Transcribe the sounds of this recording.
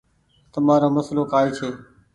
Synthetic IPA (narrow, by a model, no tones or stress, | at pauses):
t̪əmaːɾoːməsloːkaːiːt͡ʃʰeː